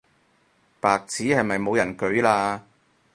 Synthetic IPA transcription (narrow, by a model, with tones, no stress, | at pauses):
paː˨k̚t͡sʰiː˨˥hɐ˨jmɐ˨jmo˨˧wjɐ˨˩nkɵ˨˥ɥlaː˧